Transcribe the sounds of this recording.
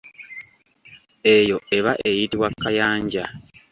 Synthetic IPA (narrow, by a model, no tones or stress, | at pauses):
e̞jo̞e̞βaʔe̞jitiwakːajaːɲɟa